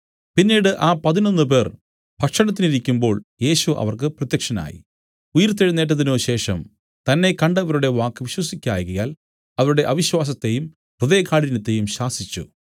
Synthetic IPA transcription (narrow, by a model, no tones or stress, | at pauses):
pinːiːɽɨʔaːpɐðino̞nːɨp̬e̞ːr | bʱɐkʂɐɳɐt̪ːiniɾikʲːumbo̞ːɭje̞ːɕuʔɐ̰ʋɐrkɨprɐt̪ːjɐkʂɐna̰ːjḭ | ujɐɾt̪ːeɻunːe̞ːʈ̬ːɐðino̞ːɕe̞ːʂɐm | t̪ɐnːe̞kɐɳɖɐʋɐɾuɽe̞ʋaːkːɨʋiɕwɐsikʲːa̰ːjɣɐja̰ːl | ɐʋɐɾuɽe̞ʔɐʋiɕwaːs̬ɐt̪ːe̞jum | puðeːkːaːɽinɐt̪ːe̞jumɕaːsit͡ɕːṵ